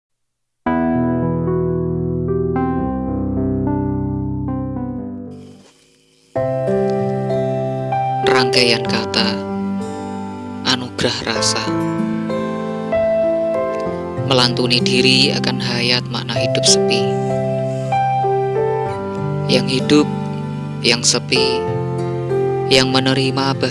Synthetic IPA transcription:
nraŋkajankat̪a | ʔanuɡ̥ɾahrasa | məlant̪unid̥iɾia̰kanɦajat̪̚ma̰ʔnahɦid̥ʊp̚səpi | jaŋɦid̥ʊp̚ | jaŋsəpi | jaŋmənəɾimab̥a

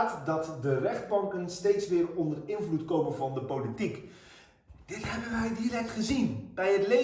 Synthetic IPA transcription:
tdɑtdərɛχd̚bɑŋkənstejtsʋɪːrɔndərɪnvlutkowmənvɑndəpowlitik | d̥ɪtɦɛbənʋɛjdirɛk̚tχəzinb̥ɛjɦətle

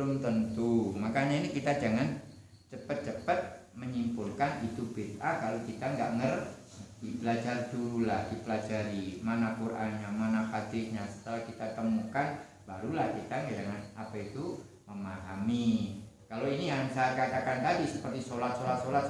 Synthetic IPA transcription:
ʊmt̪ənt̪umakaɲainikit̪ad͡ʒaŋan | t͡ʃəpət̪̚t͡ʃəpət̪̚ | məɲimpʊlkanit̪ubet̪akalokit̪aŋɡa̰ʔŋər | d̥ipəlad͡ʒarduɾulahdipəlad͡ʒaɾimanakurʔanɲamanafad̪ɪʔɲasə̥t̪əlahkit̪at̪əmukan | b̥aɾulahkit̪aŋɡad͡ʒaŋanapait̪u | məmaɦamikaloinijaŋsat̪̚kat̪akant̪adisəpərt̪isolat̪̚solat̪̚solat̪̚

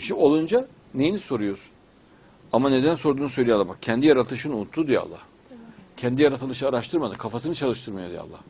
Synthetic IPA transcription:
iʃio̞lˠund͡ʒa | nejiniso̞ɾujoz̥ | amane̞d̪ænso̞ɾd̪uːnusø̞jlʲijalˠabakcʰɛnd̪ijaɾat̪ʰɯʃɯnut̪ʰːud̪ija̰lˠːa̰h | cʰɛnd̪ijaɾat̪ʰɯlˠɯʃɯaɾaʃt̪ʰɯɾmad̪ɯkʰafasɯnɯt͡ʃʰalˠɯʃt̪ʰɯɾmɯjo̞d̪ija̰lˠːa̰h

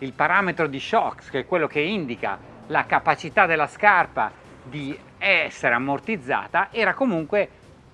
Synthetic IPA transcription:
ilpaɾaːmet̪ɾod̪iʃɔkskɛkːwelːokeind̪ika̰ | lakapat͡ʃit̪ad̪elːaskarpa̰ | d̪i | ɛsːeɾeamːort̪id̪zːa̰ːt̪aʔɛːɾakomuŋkwe

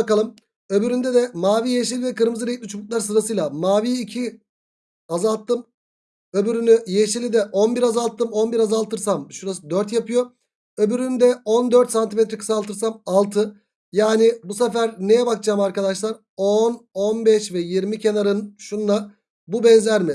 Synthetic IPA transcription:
akalˠɯm | ø̞byɾynd̪ɛd̪ɛmaːviːjeʃilʲid̪ɛkɯɾmɯzɯɾejit̪mʲit͡ʃʰubut̪lˠaɾsɯɾasɯjlˠamaːviːcʰi | azalˠt̪ʰːɯm | ø̞byɾynyjeʃilʲid̪ɛʔo̞nbiɾazalˠt̪ʰːɯmo̞nbiɾazalˠt̪ʰɯɾsamʃuɾasɯd̪øɾt̪japʰɯjo̞ | øbyɾynd̪ɛo̞nd̪øɾt̪sant̪ʰimɛt̪ʰɾɛkʰɯ̥salˠt̪ʰɯɾs̬amalˠt̪ʰɯ | jaːnɪbusɛfæɾnejɛbakd͡ʒaːmaɾkad̪aʃlˠaɾ | ononbɛʃvɛjiɾmicʰe̞naɾɯnʃunlˠa | bubɛnzlʲæɾmɪ

